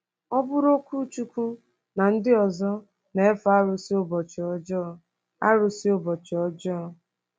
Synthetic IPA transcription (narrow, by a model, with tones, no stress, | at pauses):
ɔ˦bʊ˦ɾo˦kʷu˦t͡ʃu˦kʷu˦ | na˨n̩˦dɪ˦ɔ˨zɔ˦ | ne˨e˦fa˦ɾʊ˨si˦o˦bɔ˨t͡ʃɔ˦d͡ʒɔ˦ | a̰˦ɾʊ˨si˦o˦bɔ˨t͡ʃɔ˦d͡ʒɔ˦˨